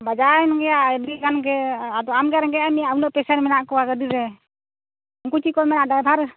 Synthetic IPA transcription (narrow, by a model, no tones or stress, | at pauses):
bad͡ʒaɛnɡɛjaʔdiɡanɡɛad̪ɔamɡɛɾɛɡɛamijaunɔʔpɛsaɾmɛnaʔkɔwaɡədiɾɛ | uŋkut͡ʃikɔmɛnaʔdaɛbʱaɾ